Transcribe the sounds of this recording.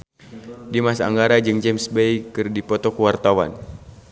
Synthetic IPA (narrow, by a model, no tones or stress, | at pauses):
dimasaːŋɡaɾad͡ʒɨŋd͡ʒɛmsbejkɨrdipɔt̪ɔkuwart̪awa̰n